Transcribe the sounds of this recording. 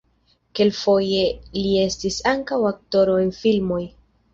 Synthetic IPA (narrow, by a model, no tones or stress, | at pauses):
ke̞lfo̞je̞lie̞stisaŋkawak̚to̞ɾo̞e̞nfilmo̞j